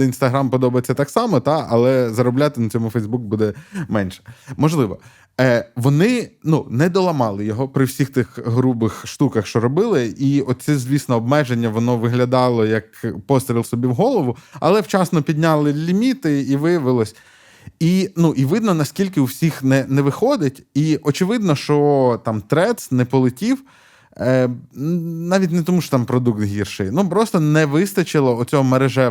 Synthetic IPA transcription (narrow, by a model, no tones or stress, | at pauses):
inst̪ɐɦɾɑmpɔd̪ɔbɐjet͡sʲːɐt̪ɑksɑmɔt̪ɑɐ̰lˠɛzɐɾɔblʲat̪ɪnɐt͡sʲɔmʊfɛjzbuk̚bud̪ɛmɛnʃɛ̥mɔʒlˠɪʋɔ | ʋɔnɪnunɛd̪ɔlˠɐmɑlˠɪjɔɦɔpɾɪwsʲixt̪ɪxɦɾubɪxʃt̪ukɐxʃt͡ʃɔɾɔbɪlˠɪiɔt̪̚ʲt͡s̪ʲɛzʲʋʲisnɔːb̚mɛʒenʲːɐʋɔnɔʋɪɦlʲɐd̪ɑlˠɔjɐkpɔst̪ɾʲilˠsɔbʲiwɦɔlˠɔʋʊɐ̰lˠɛwt͡ʃɑsnɔpʲid̪ʲnʲalˠɪlʲimʲit̪ɪiʋɪjɐʋɪlˠɔsʲ | inuʔiʋɪd̪nɔnɐskʲilʲkɪuwsʲixnɛnɛʋɪxɔd̪ɪtʲiʔɔt͡ʃɪʋɪd̪nɔʃt͡ʃɔt̪ɑmt̪ɾɛt̪snɛpɔlˠɪtʲiw | nɑʋʲitʲnɛt̪ɔmuʃɔ̥t̪ɑmpɾɔd̪ukt̪ɦʲirʃɪjnupɾɔst̪ɔnɛʋɪst̪ɐt͡ʃɪlˠɐʊt͡sʲɔɦɔmeɾeʒɛ